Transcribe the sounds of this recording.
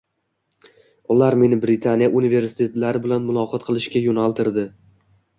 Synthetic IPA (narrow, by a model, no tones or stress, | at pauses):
ʊlaɾme̞nɪbɾɪt̪ʰanijaʔunive̞ɾsɪ̥t̪ʰe̞t̪laɾɪbɪlanmʊlˠɒqʰɒt̪̚qʰɨlˠɪʃkʲajonalˠt̪ʰɪɾd̪ɪ